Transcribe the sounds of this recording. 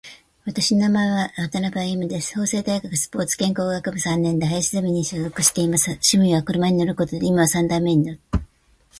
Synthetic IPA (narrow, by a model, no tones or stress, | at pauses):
βat̪aɕinonamaeβaat̪anabaimɯ̟d̪e̞sɨ̥ho̞ːse̞ːd̪aiɡakɯ̟sɨ̥po̞ːt͡sɨ̥kẽ̞ŋko̞ːɡakɯbɯ̟sãnːẽ̞nd̪eɦajaɕizemʲiɲ̟iɕoːzo̞kɯ̟ɕi̥t̪e̞imasɨɕimɯ̟iβakɯ̟ɾɯ̟maɲ̟ino̞ɾɯ̟ko̞t̪o̞d̪eimaβasãnd̪aimːe̞ɲ̟inoɾɯ